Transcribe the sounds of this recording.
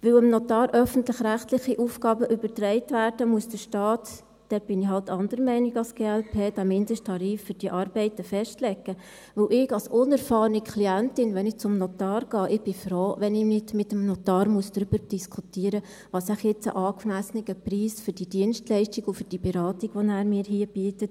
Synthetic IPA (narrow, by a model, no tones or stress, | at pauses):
ʋɵwəmnɔtɑːɾʔœfəntlɪχɾæχtlɪχiʔuːfɡɑːbəʔʏbəɾtɾɛɪtʋæːɾdəmuəsd̥əʃtɑːt | d̥ɛtb̥ɪnɪɦɑltːɑndəɾəmɛɪnɪɡɑlsɡ̥eːælpʰeːd̥æːmɪndɪʃtʰɑɾiːffʏɾd̥iəʔɑːɾb̥ɛɪtəfɛʃtlɛɡə | ʋɵwʔɪɡɑlsʔʊnɛɾfɑːɾnikʰliæntɪnʋɛnɪkt͡sʊmnɔtɑːɾɡ̥ɑːʔɪb̥ɪfɾoːʋɛnɪnɪdmɪtəmnɔt̪ɑːɾmuəsd̥ɾyb̥əɾd̥iskʰutiːəɾə | ʋɑsæχjɛt͡sə̰ʔɑːkmæsənɪɡəpriːsfʏɾd̥idiənstlɛɪʃtiɡʊfʏd̥ibɛɾɑːtiɡ̥ʋɔnæːɾmɪːɾɦiːəbiətət